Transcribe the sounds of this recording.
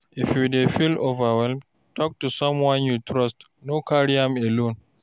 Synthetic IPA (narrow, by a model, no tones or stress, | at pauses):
ʔifjudefilovawɛlm | tʰɔk̚tusɔ̃mwãnjutʰɹɔst | nokʰaɹiãmɛlõn